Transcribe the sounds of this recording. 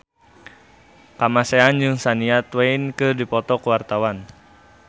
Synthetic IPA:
kamasɛand͡ʒɨŋsaniat̪wɛinkɨrdipɔt̪ɔkuwart̪awan

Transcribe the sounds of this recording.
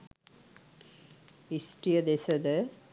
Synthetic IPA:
isʈɾijəd̪esəd̪ə

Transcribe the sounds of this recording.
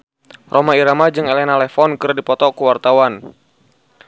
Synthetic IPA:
rʔomaiɾamad͡ʒɨŋelɛnalɛfɔnkɨrdipɔt̪ɔkuwart̪awan

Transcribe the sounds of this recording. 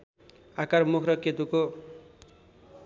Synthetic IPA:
akarmukʰrʌket̪uko

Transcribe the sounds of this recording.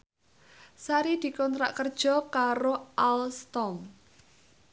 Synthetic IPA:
saɾid̪̥i̤kɔnt̪ɾa̰ʔkərd̥ʒ̥ɔ̤kaɾoʔalst̪ɔm

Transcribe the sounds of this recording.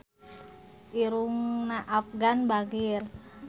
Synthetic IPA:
iɾuŋnaʔafɡanbaŋir

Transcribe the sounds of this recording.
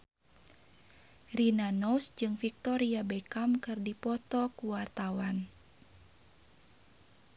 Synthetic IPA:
rinanɔsd͡ʒɨŋfik̚t̪ɔɾiabɛkamkɨrdipɔt̪ɔkuwart̪awan

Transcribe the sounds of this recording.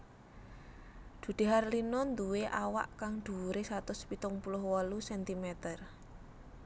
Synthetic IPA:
d̪̥ṳd̪̥e̤ɦarlinɔnd̪uweʔawa̰ʔkaŋd̪̥ṳɾesat̪ʊspit̪ʊŋpulʊhwɔlusɛnt̪imɛt̪ər

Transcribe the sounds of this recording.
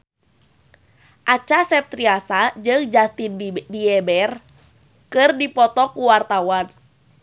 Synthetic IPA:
ʔat͡ʃasɛp̚t̪ɾiasad͡ʒɨŋd͡ʒast̪inbiɛbɛr | kɨrdipɔt̪ɔkuwart̪awan

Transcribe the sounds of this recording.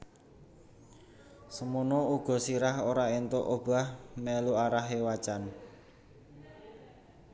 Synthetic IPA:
səmunɔuɡ̥ɔ̤siɾaɦoɾaent̪oʔob̥a̤hmeluaɾaɦewat͡ʃan

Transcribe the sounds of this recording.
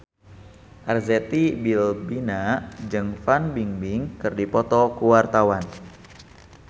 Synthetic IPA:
ʔarzɛt̪ibilbinad͡ʒɨŋfanbiŋbiŋkɨrdipɔt̪ɔkuwart̪awan

